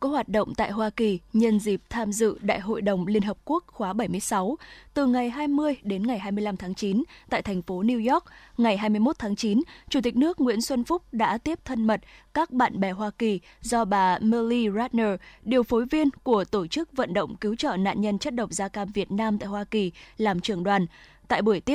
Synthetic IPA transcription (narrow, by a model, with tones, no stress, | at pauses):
kɔ˨˦hwaː˨˩t̚ɗə̰˧˨wŋ͡mt̪a̰ː˧˨jɦwaː˧ki˨˩ɲə˧nzi˨˩p̚t̪ʰaː˧mzɨ̰˧˨ɗa̰ː˧˨jɦo̰˧˨jɗə˨˩wŋ͡mli˧ənɦə˨˩p̚ku˦˥ək̚xwaː˨˦ɓə˧˩jmɨ˧əjsa˨˦wt̪ɨ˨˩ŋa˨˩jɦaː˧jmɨ˧əjɗe˨˦nŋa˨˩jɦaː˧jmɨ˧əjla˧mt̪ʰaː˨˦ŋt͡ɕi˨˦nt̪a̰ː˧˨jt̪ʰɛ˨˩jŋ̟fo˨˦ni˧wzɔ˦˥k̚ŋa˨˩jɦaː˧jmɨ˧jmo˦˥t̚t̪ʰaː˨˦ŋt͡ɕi˨˦nt͡ɕu˧˩t̪i˨˩nɨ˦˥ək̚ŋwḭ˧˥ənswə˧nfʊ˦˥k͡p̚ɗa̰ː˧˥t̪i˦˥əp̚t̪ʰə˧nmə˨˩t̚kaː˦˥k̚ɓa̰ː˧˨nɓɛ˨˩ɦwaː˧ki˨˩ | zɔ˧ɓaː˨˩məː˧li˧zaː˦˥t̚nəː˧ɗi˨˩əwfo˨˦jvi˧ənku˧˩ət̪o˧˩t͡ɕɨ˦˥k̚və̰˧˨nɗə̰˧˨wŋ͡mki˨˦wt͡ɕə̰ː˧˨na̰ː˧˨nɲə˧nt͡ɕə˦˥t̚ɗə˨˩wŋ͡m̚zaː˧kaː˧mvi˨˩ət̚naː˧mt̪a̰ː˧˨jhwaː˧ki˨˩laː˨˩mt͡ɕɨ˧˩əŋɗwaː˨˩n | t̪a̰ː˧˨jɓu˧˩əjt̪i˦˥ə